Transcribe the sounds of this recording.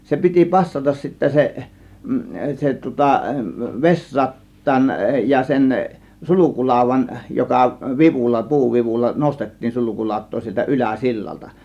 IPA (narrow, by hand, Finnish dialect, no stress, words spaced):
se piti pɑsːɑtɑs sitːæ se se tŭŏtɑ ʋesrɑtːɑːn jɑ sen sulukulɑˑo̝ʋˑɑn jokɑ ʋiʋulːɑ puːʋiʋulːɑ nostetːiːn sulukulɑˑo̝tˑoː sieltæ ʔylæˑ silːɑltɑ